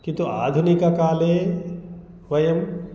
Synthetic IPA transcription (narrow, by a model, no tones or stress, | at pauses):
kint̪ua̰ːd̪ʱunikɐkaːleː | ʋɐjɐm